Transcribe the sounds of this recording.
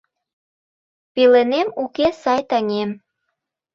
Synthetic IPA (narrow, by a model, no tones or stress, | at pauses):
pelenemukesɑjt̪ɑŋem